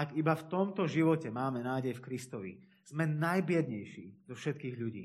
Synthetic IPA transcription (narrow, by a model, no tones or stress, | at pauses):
aɡibaft̪ɔmt̪ɔʒiʋɔcɛmaːmɛnaːɟɛjfkɾist̪ɔʋḭ | z̥mɛnajbɪɛd̪ɲɛjʃḭːd̪ɔfʃɛt̪kiːɣʎuɟḭː